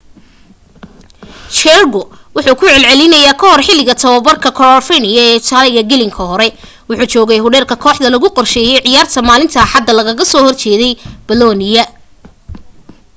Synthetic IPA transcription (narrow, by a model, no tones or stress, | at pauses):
t͡ʃɛrɡɔ | wʊħuːkʰʊʕɛlʕɛlɪnɐjaːkʰɐɦɔrħɪlɪɣɐt̪ʰɐwɐbɐrkʰɐkʰɔrɔlfinɪjɐɛːt̪ʰaːlɪɣɐɡɛlɪŋkʰɐhɔɾɛ | wʊħuːt͡ʃɔːɣɛjɦʊɽɛːrkʰɐkʰɔːħd̪ɐlɐɣʊqɔrʃɛːjɛjʕɪjaːrt̪ʰɐmaːlɪnt̪ʰɐħɑd̪ːɐlɐɣɐɣɐsɔːhɔrt͡ʃɛːðɛjb̥ɐlɔːnɪjɐ